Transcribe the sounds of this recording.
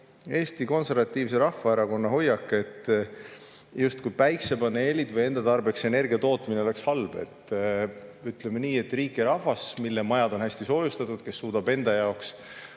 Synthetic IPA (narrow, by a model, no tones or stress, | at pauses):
e̞ːst̪iko̞nse̞ɾvɑt̪ːiːvse̞ɾɑhːɑeɾɑko̞nːɑɦo̞jːɑkːˑe̞t̪ːˑ | just̪̚kujpæjksebɑnelʲid̪vɤje̞nd̪̥ɑt̪ɑrbe̞kse̞ne̞rɡʲiɑt̪o̞ːt̪ːˑmineole̞kshɑlb̥e̞̰t̪ˑː | yt̪ˑlemeniːe̞t̪ːˑriːkːˑiɾɑhvɑsmilːemɑjɑd̪o̞nhæsʲt̪iso̞ːjust̪ɑt̪ːˑud̪̥ke̞sːuːd̪̥ɑbe̞nd̪̥ɑjɑo̞ks